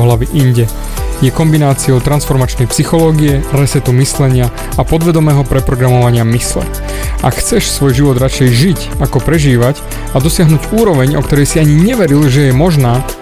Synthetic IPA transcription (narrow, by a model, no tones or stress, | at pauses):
ɦlaʋiʔiɲɟɛ | jɛkɔmbinaːt͡siɔʊt̪ɾansfɔɾmat͡ʃnɛjpsixɔlɔːɡiɛɾɛsɛt̪umislɛɲɪa | apɔd̪ʋɛd̪ɔmɛːɦɔpɾɛpɾɔɡɾamɔʋaɲɪamislɛ̰ | ʔa̰kxt͡sɛʃsʋɔjʒiʋɔd̪ɾat͡ʃɛjʒic | akɔpɾɛʒiːʋac | ad̪ɔsɪaɦnuːɟuːɾɔʋɛɲɔ̰kt̪ɔɾɛjsiaɲiɲɛʋɛɾilʒɛjɛmɔʒnaː